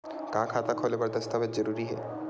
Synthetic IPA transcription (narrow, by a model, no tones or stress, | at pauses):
kãkʰat̪akʰolekɔɾd̪əst̪apet̪̚d͡ʑəɾuɾiɦɛ̰